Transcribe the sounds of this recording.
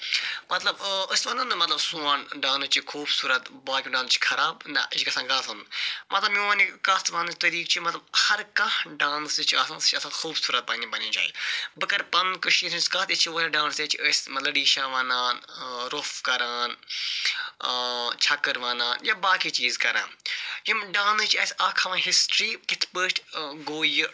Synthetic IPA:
mɐt̪lɐbəsʲʋãːnanɐmɐt̪lɐbsuaːnɖãːnut͡ʃʰikʰuːbsuːɾɐt̪baːkʲũɖãːnt͡ʃʰi̥kʰɐɾaːbnɐ̰it͡ʃʰkɐsãːɡaːsɐ̃nd̪mɐt̪lɐbjoanikast̪ʋaːnt͡ʃʰt̪ɐɾiːkt͡ʃʰimɐt̪lɐbhɐɾkɐhɖãːnsit͡ʃʰiɐsãːnst͡ʃʰiɐsaːxʰuːbsuːɾɐt̪̚pɐnĩbɐnĩːt͡ʃa̰ːḭbɐkɐɾpɐnkɨʃiːsʰɐskɐːt̪it͡ʃʰioːlɐɖãːnseːt͡ʃʰiəːsʲmɐlɐɖiːʃãːʋaːnaːnɾofkɐɾaːn | t͡ʃʰɐkːəɾʋaːnaːnjabaːkiːt͡ʃiːzkɐɾa̰ːnjimɖãːnt͡ʃʰɐːsʲaːkʰɐʋãːɦɪsʈɾiːkɪt̪ʰpəːʃʈɡoːjɨ

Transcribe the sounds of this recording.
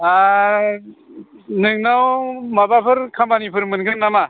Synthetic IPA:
a | nɯŋnawmabapʰɯɾkʰambanipʰɯɾmɯnɡɯnːama

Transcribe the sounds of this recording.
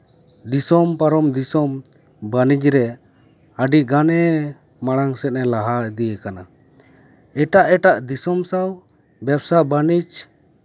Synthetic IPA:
d̪isɔmpaɾɔmd̪isɔm | banid͡ʒɾɛ | aɖiɡanɛ | maɽaŋsɛt̪̚nɛlaɦad̪ijekana | ɛʈaʔɛʈaʔd̪isɔmsaw | bɛbsabanid͡ʒ

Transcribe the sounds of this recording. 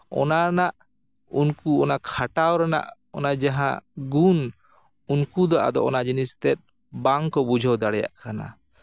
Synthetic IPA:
ɔ̰naɾnaʔ | ṵnkuɔnakʰaʈawɾana̰ʔ | ɔnad͡ʒaɦã̰ɡun | unkud̪ɔʔa̰d̪ɔʔɔnad͡ʒinist̪ɛt̪̚ˀ | baŋkɔbud͡ʒʱɔwd̪aɽɛja̰ʔkana̰

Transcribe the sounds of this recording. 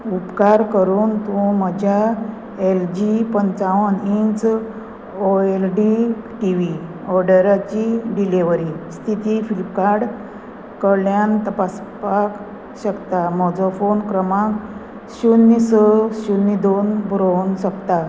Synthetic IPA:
upkaɾkəɾuːnt̪ũməd͡ʑʱja | eld͡ʑipənt͡saʋənint͡s | oelɖiʈiʋi | ɔɾɖəɾat͡ɕiɖileʋəɾist̪ʰit̪ifilipkaɾɽ | kəɾljant̪əpaspak | ɕəkt̪amɔd͡zɔfonkɾəmãk | ɕunːisəɕunːid̪onbʱɾonɕəkt̪a

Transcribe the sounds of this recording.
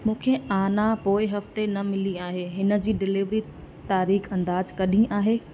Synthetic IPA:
mũːkʰeaːnapoːɪɦɐft̪enɐmɪliaːɦeːɦɪnə̆d͡ʑiːɖɪlɪʋɾi | t̪aːɾiːxɐ̃nd̪aːd͡ʑkɐɗʱĩʔaːɦeː

